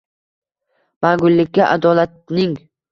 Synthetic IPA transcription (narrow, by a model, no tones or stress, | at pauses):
m̥aɡʊlːɪkʲːaʔad̪ɒlat̪̚nɪŋ